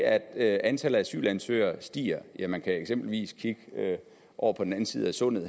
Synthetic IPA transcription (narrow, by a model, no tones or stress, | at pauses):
æd̥øænt͡sʰæləð̩ˠæsy̰ːlænsø̰ːɐsd̥ḭːɐjæmænkʰæeɡ̥sem̰b̥l̩ʋḭːskʰiɡ̥əø | ʔɒʊ̰ɐpʰɒ̽d̥en̩æn̩siːð̞̩ˠæsɔ̽n̰ð̩ˠ